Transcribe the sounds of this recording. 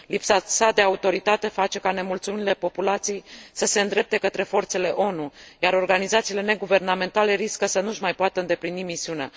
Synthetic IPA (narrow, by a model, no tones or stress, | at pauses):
lipsasad̪e̞aut̪o̞ɾit̪at̪e̞fat͡ʃe̞kane̞mult̪sumiile̞po̞pulat̪sijejsəse̞ɨnd̪ɾe̞p̚t̪e̞kət̪ɾe̞fo̞rt̪se̞le̞ʔo̞nujaɾo̞rɡanizat̪sile̞ne̞ɡuve̞rname̞nt̪ale̞ɾiskəsənuʒmajpoat̪əɨnd̪e̞plinimisiunea̰